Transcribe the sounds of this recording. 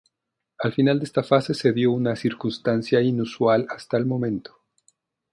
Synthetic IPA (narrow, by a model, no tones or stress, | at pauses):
alfinald̪eest̪afase̞se̞ðjo̞unasiɾkunst̪ansjainuswalast̪aelmõ̞mẽ̞nt̪o̥